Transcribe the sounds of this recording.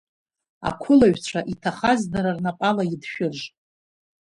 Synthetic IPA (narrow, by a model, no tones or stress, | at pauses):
a̰kʷʰʊlaɥᶣt͡ɕʷʰaʔitʰaχazdaɾarnapʼalaidʃᶣʊʒʷ